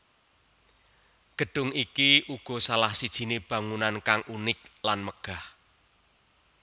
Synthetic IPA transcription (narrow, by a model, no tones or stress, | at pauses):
ɡ̥ə̤ɖ̥ʊ̤ŋikiʔuɡ̥ɔ̤salahsid̥ʒ̥i̤neb̥ä̤ŋunankaŋʔunɪk̚lanməɡ̥a̤h